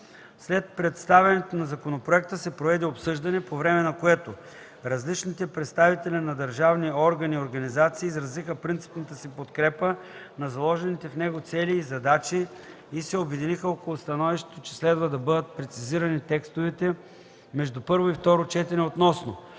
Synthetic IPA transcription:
slɛt̪̚pɾɛt̪st̪avʲɛnɛt̪onɐzɐkonopɾoɛk̚t̪əsɛpɾovɛd̪ɛopsɤʒd̪ɐnɛpovɾɛmɛnɐkoɛt̪o | ɾɐzlit͡ʃnit̪ɛpɾɛt̪st̪avit̪ɛlʲinɐd̪ɐɾʒavniɔɾɡɐnioɾɡɐnizat̪siːzɾɐzixəpɾint̪si̥pnɐt̪əsipot̪kɾɛpə | nɐzɐlˠɔʒɛnit̪ɛfnɛɡot̪sɛlʲiːzɐd̪at͡ʃiː | sɛobɛd̪inixəokolˠʊst̪ɐnɔviʃt̪e̥t̪ot͡ʃɛ̥slɛd̪vɐd̪ɐbɤd̪ət̪̚pɾɛt̪siziɾɐnit̪ɛkst̪ovɛt̪ɛ | mɛʒd̪upɤɾvoift̪ɔɾot͡ʃɛt̪ɛnɛot̪nɔsno

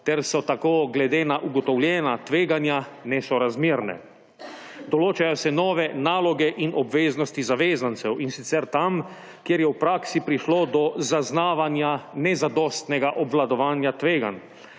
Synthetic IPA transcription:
t̪ɛɾsɔt̪akoːɡlɛd̪eːnaʔuɡɔt̪ɔwljɛːnat̪ʋeːɡanjanɛsɔɾazmiːɾnɛ̰ | d̪ɔloːt͡ʃajɔsɛnɔːʋɛnaːlɔɡɛʔinɔbʋeːznɔst̪izaʋeːzant̪sɛwinsit̪sɛɾt̪am | kjeɾjɛwpɾaːksipɾiʃlod̪ɔzaznaːʋanjanɛzad̪ɔst̪nɛɡaʔɔbʋlad̪ɔʋaːnjat̪ʋeːɡa̰n

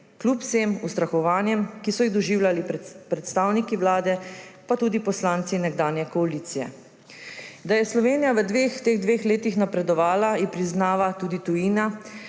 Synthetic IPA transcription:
klupseːmust̪ɾaxɔʋaːnjɛmkisɔjiɣd̪ɔʒiːwljalipɾɛt̪st̪aːwnikiʋlaːd̪ɛpat̪uːd̪ipɔslaːnt̪sinɛɡd̪aːnjɛkɔaliːt̪sijɛ̰ | d̪ajɛslɔʋeːnijaʋəd̪ʋeːxt̪eːɣd̪ʋeːxleːt̪ixnapɾɛd̪ɔʋaːlaipɾiznaːʋat̪uːd̪it̪ujiːna

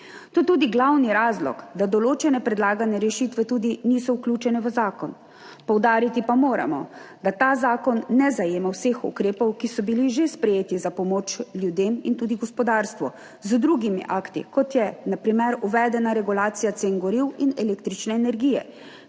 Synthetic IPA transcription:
t̪ot̪uːd̪iɡlawniɾaːzlɔ̰kd̪ad̪ɔloːt͡ʃɛnɛpɾɛd̪laːɡanɛɾɛʃit̪ʋɛt̪uːd̪iniːsɔwklʲuːt͡ʃɛnɛʋəzaːkɔn | pɔwd̪aːɾit̪ipamoːɾa̰mɔ̰d̪at̪aːzaːkɔnːɛzajeːmawsexṵkɾeːpɔwkisɔbiliʒespɾɛjeːt̪izapɔmoːt͡ʃlʲjud̪eːmint̪uːd̪iɡɔspɔd̪aɾst̪ʋɔ | zd̪ɾuɡimḭʔaːkt̪ḭkɔt̪jɛnapɾimɛɾuʋɛd̪ɛnaɾɛɡulaːt̪sijat̪senɡɔɾiwinɛleːkt̪ɾit͡ʃnɛːnɛɾɡiːjɛ̰

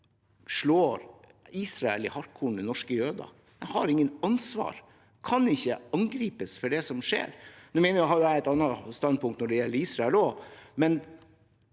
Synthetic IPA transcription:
ʂɭoːɾ | iːsɾɑɛ̰lɪ̰hɑɾkʰuːɳənɔʂkəjøːd̪ɑ̰ | æhɑɾɪŋːənɑnsʋɑ̰ːɾ | kʰɑnɪçːəɑŋɡɾiːpəsfɔɖɛsɔmʂḛːɾnʉːmɛnəɾæhɑɾjʊææɪt̪ɑnːɑst̪ɑnpʊŋkt̪nɔɖɛjɛlːəɾiːsɾɑɛlɔmɛn

